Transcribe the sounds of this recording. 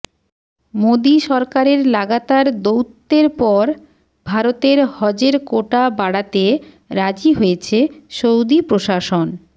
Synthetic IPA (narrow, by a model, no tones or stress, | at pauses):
mod̪iʃɔɾkaɾeɾlaɡat̪aɾd̪owt̪ːeɾpɔɾ | bʱaɾot̪eɾhɔd͡ʑeɾkoʈabaɽat̪e | ɾad͡ʑiɦojet͡ɕʰeʃowd̪ipɾoʃaʃon